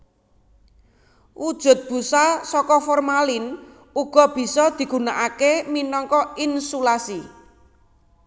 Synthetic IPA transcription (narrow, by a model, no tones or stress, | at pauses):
ʔud̥ʒ̥ʊ̤t̪̚b̥ṳsasɔkɔfɔrmalɪn | uɡ̥ɔ̤b̥i̤sɔd̪̥i̤ɡ̥ṳnaʔakeminɔŋkɔinsulasi